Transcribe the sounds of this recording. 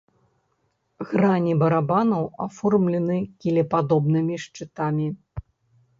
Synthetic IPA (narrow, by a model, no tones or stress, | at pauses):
ɣɾanʲibɐɾabanɐwafɔrmlʲɛnɨkʲilʲɛpad̪ɔbnɨmʲiʂt͡ʂɨt̪amʲi